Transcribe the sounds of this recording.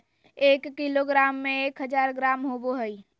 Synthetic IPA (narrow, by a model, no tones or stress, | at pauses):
ekːiloɡɾamːẽekɦəd͡ʒaɾɡɾaːmɦoboɦəj